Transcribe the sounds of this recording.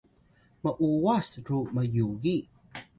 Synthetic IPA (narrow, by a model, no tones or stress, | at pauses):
məʔuwasɾuməjuɣi